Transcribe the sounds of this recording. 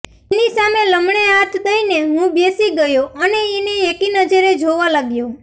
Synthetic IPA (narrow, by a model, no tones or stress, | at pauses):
inisameləmɳeat̪ʰt̪əineɦũbesiɡəjoʔəneineekinəd͡ʒəɾed͡ʒʱoʋalaɡjo